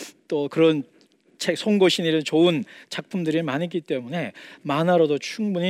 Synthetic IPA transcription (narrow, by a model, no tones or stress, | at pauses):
t͈okɯɾʌn | t͡ɕʰeksʰoŋɡoɕʰiniɾɯnt͡ɕoɯnt͡ɕak̚pʰumdɯɾimanik͈it͈e̞mune̞manaɾodot͡ɕʰuŋbuɲi